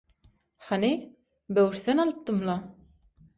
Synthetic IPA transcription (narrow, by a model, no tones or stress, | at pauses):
hani | bøwɾθenɑlˠɯp̚t̪ɯmlɑ